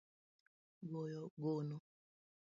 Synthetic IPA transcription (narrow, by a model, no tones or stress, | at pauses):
ɡojɔɡono